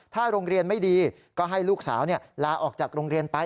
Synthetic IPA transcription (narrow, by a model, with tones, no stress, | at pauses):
t̪ʰaː˥˩ɾoː˧ŋɾi˧ənma˥˩jdiː˧ | kɔː˥˩ɦa˥˩jluː˥˩k̚saː˩˦wni˥˩ɐlaː˧ʔɔː˨˩k̚t͡ɕaː˨˩k̚ɾoː˧ŋɾi˧ənt̪a˧